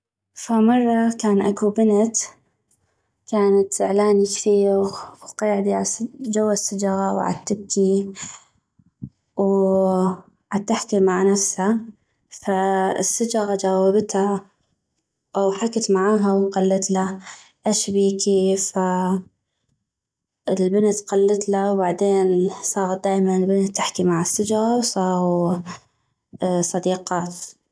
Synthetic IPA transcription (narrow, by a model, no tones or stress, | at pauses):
famɑrˤːɑkaːnʔakubɪnat̪ | kaːnat̪ʔɪʕlaːnikθiːɣwqɑːʕd̪iʕad͡ʒawːasːad͡ʒaɣawʕa̰t̪ːɪb̚ki | w | ʕat̪ːaħt̪imaʕnafsha | faɪ̰sːad͡ʒaɣad͡ʒaːwabt̪ha | ʔawħakat̪maʕaːɦawqalːɪt̪la | ʔaʃbiːkifa | ɪlbɪnt̪qalːɪt̪lawbaʕd̪eːnsˤɑːɣat̪̚d̪aːjmanɪlbɪnt̪ːɪħkimaʕɪsːad͡ʒɣasˤɑ | sˤɑd̪iːqɑːt̪